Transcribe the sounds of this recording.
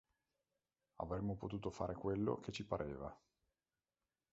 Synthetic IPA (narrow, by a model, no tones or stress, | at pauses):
a̰vɾemːopot̪uːt̪ofa̰ːɾʔekwelːo̰kʰet͡ʃːipaɾʔeːva